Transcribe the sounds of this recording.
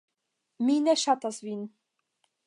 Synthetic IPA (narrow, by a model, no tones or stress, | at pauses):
minɛʃat̪azvin